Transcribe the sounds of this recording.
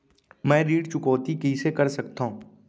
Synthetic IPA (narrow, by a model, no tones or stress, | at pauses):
mɛ̃ːɾiːɖt͡ʃʊkoːt̪ikisekəɾsəkt̪aɦũː